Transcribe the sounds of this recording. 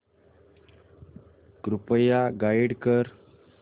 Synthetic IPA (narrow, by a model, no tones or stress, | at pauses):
kɾupəjaɡaiɽkəɾ